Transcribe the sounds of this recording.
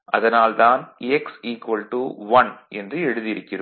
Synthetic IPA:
ʔɐ̰ðɐnaːlt̪aːnɛksiːkʋɐlʈuʋɐnʔɛndrɯɛɽɯðɪjɪɾɯkːɪrɯm

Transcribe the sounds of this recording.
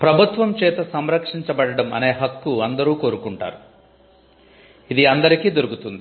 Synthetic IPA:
pɾɐbʱut̪ʋɐmt͡ʃɛːt̪ɐsɐmɾɐkʂiɲt͡ʃɐbɐɽɐɽɐmɐ̰ne̞ːɦɐkːuɐnd̪ɐɾuːko̞ːɾukuɳʈa̰ːɾu | id̪iɐnd̪ɐɾikiːd̪oɾukut̪und̪i

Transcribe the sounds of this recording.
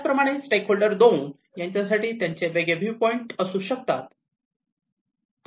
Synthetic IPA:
pɾəmaɽ̃esʈekɦoɭɖəɾd̪ouːn | jaɲt͡ɕjasaʈiːt̪jaɲt͡seʋeɡebʱiʋpɔiɳʈəsuːɕək̚t̪at̪

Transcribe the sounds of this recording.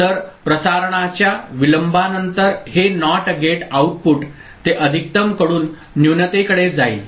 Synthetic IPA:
t̪əɾpɾəsaɾɳ̃at͡ɕjaʋiləmbʱanənt̪əɾɦenɔʈɡeʈauʈ̚puʈ | t̪eʔəd̪ʱik̚t̪əmkəɽuːnː | junət̪ekəɽed͡zaḭl

